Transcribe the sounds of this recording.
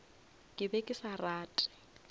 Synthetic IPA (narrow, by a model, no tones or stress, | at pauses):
kʼɪbɛkʼɪsaraːtʼɪ̥